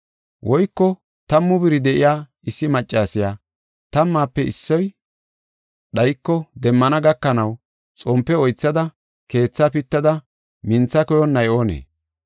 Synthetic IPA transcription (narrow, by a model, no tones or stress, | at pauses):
wʔɔjkːɔ | t̪ɐmːʊbɪɾɪd̪ɛʔɪjaː | ɪsːɪmɐt͡ʃʼːaːsɪjaː | t̪ɐmːaːpːɛɪsːɔj | ɗɐjkːɔd̪ɛmːɐnɐɡɐkːɐnɐw | t͡sʼɔmpːɛɔjt͡sːɐd̪ɐ | ke̞ːt͡sːapɪt̪ːɐd̪ɐ | mɪnt͡sːɐkɔjɔnːɐjoːnḛː